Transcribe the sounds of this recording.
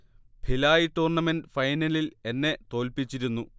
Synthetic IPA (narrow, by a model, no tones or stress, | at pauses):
bʰʱilaːjiʈːuːrɳɐmendfɐjnɐlile̞nːe̞t̪o̞ːlpit͡ɕːiɾunːu